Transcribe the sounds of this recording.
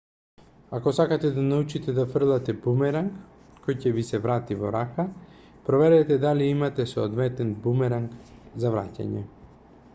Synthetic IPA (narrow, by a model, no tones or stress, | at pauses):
akɔsakat̪ɛd̪anaut͡ʃit̪ɛd̪afr̩lˠat̪ɛbumɛɾaŋk | kɔjcɛvisɛvɾat̪ivɔɾaxa | pɾɔvɛɾɛt̪ɛd̪aliimat̪ɛsoːd̪vɛt̪ɛnbumɛɾaŋkzavɾa̰ca̰ɲɛ̰